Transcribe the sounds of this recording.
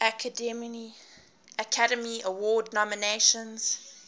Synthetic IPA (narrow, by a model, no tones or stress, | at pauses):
ʔakʰədɛmi | əkʰaɾəmiəwɔːdnɔməneʃə̃nz̥